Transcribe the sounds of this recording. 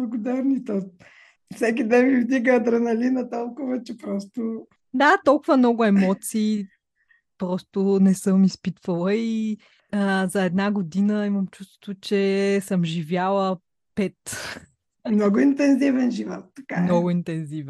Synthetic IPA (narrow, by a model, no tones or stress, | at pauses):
bblˠɐɡʊd̪aɾnit̪ɔ | fsɛk̬id̪ɛnmivd̪iɡəd̪ɾɐnɐlinət̪ɔlˠkʊvət͡ʃɛpɾɔst̪ʊ | d̪at̪ɔlˠkʊvɐmnɔɡʊɛmɔt̪siː | pɾɔst̪ʊnɛsɤmispit̪vəlˠəi | əzɐɛd̪naɡod̪inəiməmt͡ʃust̪vo̥t̪vʊt͡ʃɛsɤmʒivʲjalˠə | pɛt̪ | mnɔɡʊint̪ɛnzivɛnʒivɔ̰t̪ːɐ̥kamnɔɡʊint̪ɛnzivɛ